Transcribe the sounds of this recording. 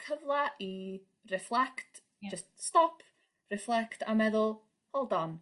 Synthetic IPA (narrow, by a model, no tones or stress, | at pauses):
kʰəvlˠaʔi | rɛflˠɛkt | d͡ʒəststɔpʰ | rɛflˠɛktʰamɛðʊlˠ | hɔlˠdɔn